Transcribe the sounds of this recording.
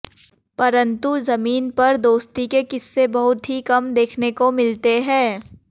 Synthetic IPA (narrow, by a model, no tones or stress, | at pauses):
pɐɾə̃nt̪uzɐmiːnpɐɾd̪oːst̪ikekɪsːebɐɦʊt̪ɦikɐmd̪eːkʰnekomɪlt̪eɦɛ̃ː